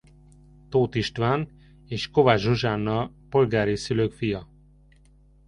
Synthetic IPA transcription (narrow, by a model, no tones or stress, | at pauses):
t̪oːt̪iʃt̪ʋaːn | eːʃkovaʒoʒaːnːɒpo̞lɡaːɾisyløːkfijɒ